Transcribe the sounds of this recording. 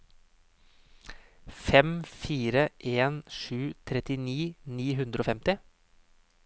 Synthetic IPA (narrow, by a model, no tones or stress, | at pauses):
fɛmfiːɾəʔeːnʃʉːt̪ʰɾɛt̪ɪniːniːɦʉnd̪ɾəoːfɛmt̪ɪ